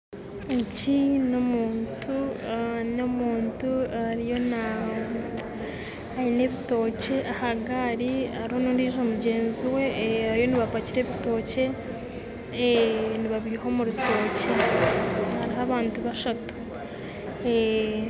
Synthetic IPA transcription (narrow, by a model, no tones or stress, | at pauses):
ecino̞muːntu | no̞muːntuaɾijo̞na | aine̞βito̞ːce̞ʔahaɡaɾiaɾiho̞nuːndiːʒo̞muɟe̞ːnziwe̞aɾijo̞niβapaciɾe̞βito̞ːce̞ | niβaβiɾiɦo̞muɾuto̞ːce | haɾiɦaβaːntuβaʃatu̥